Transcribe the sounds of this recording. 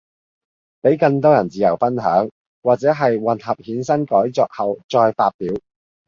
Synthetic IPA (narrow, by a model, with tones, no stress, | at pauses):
pe˨˥jkɐ˧ŋt̪̬ɔː˥jɐ˨˩nt͡siː˨˩jɐ˨˩wfɐ˥nɦœː˨˥ŋ | waː˨k̚t͡sɛː˨˥ɦɐ˨jwɐ˨˩nɦɐ˨p̚hiː˨˥nsɐ˥nkɔː˨˥jt͡sɔː˧k̚hɐ˨wt͡ʃɔː˧jfaː˧t̚piː˨˥w